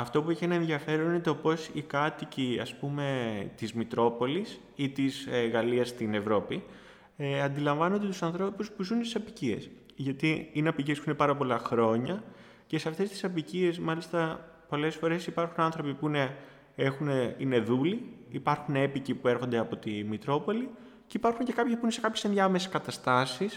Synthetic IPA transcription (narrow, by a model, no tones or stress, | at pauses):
ɐft̪o̞pueçie̞nɐenðiɐfe̞ɾo̞ninet̪o̞po̞sikɐt̪iciɐ̰spume̞t̪izmit̪ɾo̞po̞lis | it̪izɣɐliɐst̪ine̞vɾo̞pi | ɐnd̪ilɐɱvɐnond̪et̪usɐnθɾo̞puspuzunst̪isɐpicie̞̰s | ʝɐt̪iineɐpiciespuinepɐɾɐpo̞lɐxɾo̞ɲɐ | ce̞seɐft̪e̞st̪i̥sɐpicie̞smɐlist̪ɐ | po̞le̞sfo̞ɾe̞sipɐɾxunɐnθɾo̞pipuine | e̞xuneine̞ðuliipɐɾxune̞picipue̞ɾxo̞nd̪e̞ɐpo̞t̪imit̪ɾo̞po̞li | ceipɐɾxuɲce̞kɐpçepuinese̞kɐpçe̞sendjɐɐmeseskɐt̪ɐst̪ɐsis